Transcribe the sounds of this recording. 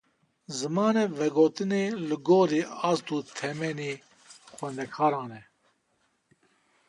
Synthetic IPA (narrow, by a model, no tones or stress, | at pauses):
zɨmɑːnɛvɛɡoːt̪ɨneːlɨɡoːɾiːɑːst̪uːt̪ʰɛmɛniː | xʷwɛnd̪ɛkʰɑːɾɑːnɛ